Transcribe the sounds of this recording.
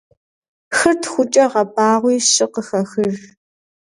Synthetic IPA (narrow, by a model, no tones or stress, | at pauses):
xɐrtʰxʷʊt͡ʃʼɐʁɐbaːʁʷiːɕʼɪqəxɐxɨr